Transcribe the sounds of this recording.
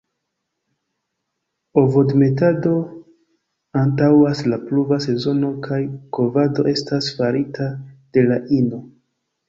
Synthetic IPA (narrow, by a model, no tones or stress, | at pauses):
o̞vo̞dme̞tado̞ | antawaslapluvase̞zo̞no̞kʰajko̞vado̞̰ʔe̞stasfaɾitʰad̥e̞laʔino̞